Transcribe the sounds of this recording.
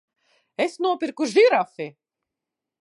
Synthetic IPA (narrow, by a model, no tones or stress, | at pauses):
esnuɔpiɾkuʒiɾafi